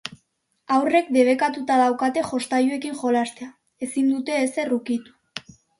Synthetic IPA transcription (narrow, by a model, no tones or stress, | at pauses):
awre̞kd̪e̞β̞e̞kat̪ut̪að̞awkat̪e̞xo̞st̪ajue̞kiŋʝo̞last̪ea | e̞sind̪ut̪e̞ːse̞rukit̪u̥